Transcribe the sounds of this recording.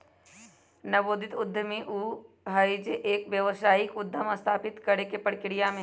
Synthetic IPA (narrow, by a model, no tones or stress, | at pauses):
nɐboːd̪ʱɪt̪ʊd̪ʱːəmẽʔuː | ɦəid͡ʒeʔeːkʋjɐʋəsaːikʊd̪ʱːəmɐst̪ʰaːpɪt̪kɐɾekepəɽkɾijamẽ